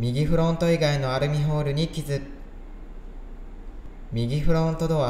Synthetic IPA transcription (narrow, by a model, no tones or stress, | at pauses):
mʲiɡʲiɸɯ̟ɾõ̞nt̪o̞iɡaino̞aɾɯ̟mʲiɦoːɾɯ̟ɲ̟ikʲizɨ | mʲiɡʲiɸɯ̟ɾõ̞nt̪o̞d̪oa